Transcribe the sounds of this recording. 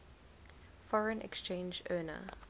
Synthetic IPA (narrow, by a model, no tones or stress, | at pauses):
fɔɹə̃nʔɛ̰kst͡ʃẽnd͡ʒɜːnə̰